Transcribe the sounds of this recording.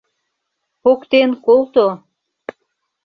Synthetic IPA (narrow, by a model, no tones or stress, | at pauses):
pokt̪enkolt̪o